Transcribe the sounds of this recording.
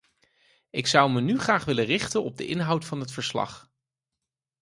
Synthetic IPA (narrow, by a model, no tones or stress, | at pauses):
ɪksʌwmənyχraːχʋɪlərɪχtənɔb̚dəʔɪnɦʌwtfɑnɦətfəɹslɑ̰χ